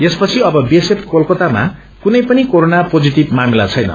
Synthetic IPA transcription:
espʌt͡sʰiʌbʌbiesepʰkolkot̪ama̰ | kunʌjpʌnikoɾonapod͡ziʈib̚mamilat͡sʰʌjnʌ̰

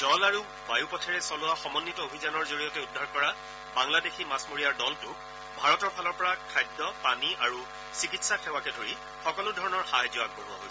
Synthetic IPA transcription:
dɔlaɹu | bajupɔtʰɛɹɛsɔlʊwaxɔmɔnːitɔobʱizanɔɹzoɹijɔtɛudʱːaɹkɔɹa | baŋladeximasmoɹijaɹdɔltu | bʱaɹɔtɔɹpʰalɔɹpɔɹakʰajdːɔpaniʔaɹu | sikitsaxɛwakɛdʱoɹi | xɔkɔlʊdʱɔɹɔnɔɹxajzʊak̚poɹuwa̰ɦo̰j

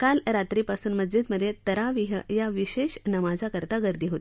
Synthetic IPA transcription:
kalɾat̪ɾipasuːnməd͡zd͡ʑid̪məd̪ʱːjet̪əɾaʋiɦəjaʋiɕeɕnəmad͡zakəɾt̪aɡəɾd̪iɦot̪i̥

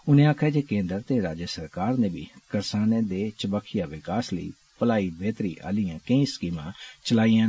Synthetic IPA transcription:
ʊnẽːaːkʰaːd͡ʒeːkẽːnd̪əɾt̪eːɾaːd͡ʒəsəɾkaːɾneːbḭːkəɾsaːneːd̪eːt͡ʃəbəkʰːɪjaːʋɪkaːsləḭː | pəlaːiːbeːt̪ɾḭːʔa̰ːlijãːkəĩːskiːmãːt͡ʃəlaːijãː

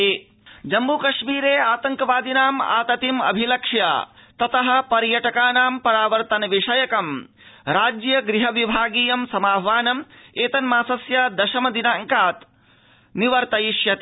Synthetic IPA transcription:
e | d͡ʒɐmbukɐʃmiːɾeːaːt̪ɐŋkɐʋaːd̪inaːma̰ːt̪ɐt̪imɐ̰bʱilɐkʂja̰t̪ɐt̪ɐɦɐ̆pɐɾjɐʈɐkaːnaːmpɐɾaːʋɐɾt̪ɐnɐʋiʂɐjɐkɐm | ɾaːd͡ʒjɐɡɾiɦɐʋibʱaːɡiːjɐmsɐmaːbʱɐʋaːnɐmeːt̪ɐnmaːsɐsjɐd̪ɐʃɐmɐd̪inaːŋkaːt̪ | niʋɐɾt̪ɐjiʃjɐt̪ː

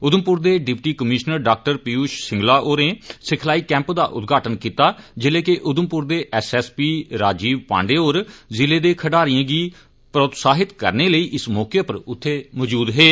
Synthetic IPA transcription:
ʊd̪əmpʊɾd̪eːɖɪpʈiːkəmɪʃnəɾɖaːk̚ʈəɾpiuːʃsɪ̃ŋɡlaːʔoːɾneːsɪkʰlaːiːkɛ̃ːmpd̪a̰ːʔʊ̰t̪ɡʱaːʈənkiːt̪aːd͡ʒɪleːkeʔʊd̪əmpʊɾd̪eːʔɛːsɛːspiːɾaːd͡ʒiːʋpã̰ːɳɖeːoːɾzɪleːd̪eːkʰəɖaːɾijãːɡiː | pɾəːt̪saːɦɪt̪kə̰ɾneːləiːʔɪsmɔːkepəɾʊt̪ʰːeːmɔd͡ʒuːd̪ɦeː

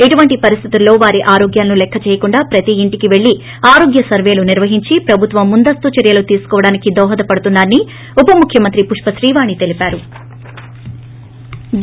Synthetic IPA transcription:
eʈuʋɐɳʈipɐɾist̪ʰit̪ulːo̞ːʋaːɾiʔaːɾo̞ːɡjaːlɐnulɛkʰːɐt͡ʃɛːjɐkuɳɖaːpɾɐt̪iːɳʈikiʋe̞ɭːi | aːɾo̞ːɡjɐsɐɾʋe̞ːluniɾʋɐɦiɲt͡ʃipɾɐbʱut̪ʋɐmːund̪ɐst̪ut͡ʃɐɾjɐlut̪iːsu̥kɔːʋɐɽaːnikid̪ɔːɦɐd̪ɐpɐɽut̪unːaːnːi | upɐmukʰjɐmɐnt̪ɾipuʂpɐʃɾiːʋaːnit̪e̞lipaːɾu

